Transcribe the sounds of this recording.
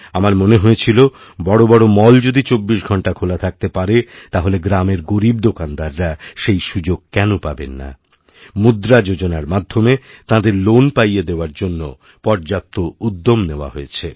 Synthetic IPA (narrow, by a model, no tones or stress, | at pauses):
amaɾmoneɦojet͡ɕʰilo | bɔɽobɔɽomɔld͡ʑod̪it͡ɕobːiʃɡʱɔɳʈakʰolat̪ʰak̚t̪epaɾet̪aɦoleɡɾameɾɡoɾib̚d̪okand̪aɾːaʃejʃud͡ʑoɡ̚kɛnopabḛnːa̰ | mud̪ɾad͡ʑod͡ʑonaɾmad̪ʱːomet̪ãd̪eɾlonpajed̪eoaɾd͡ʑonːo | pɔɾd͡ʑap̚t̪oud̪ːomneoa̰ɦojet͡ɕʰe